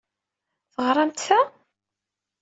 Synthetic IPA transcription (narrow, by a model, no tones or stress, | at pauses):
θəʁɾˤɑmt̪θæ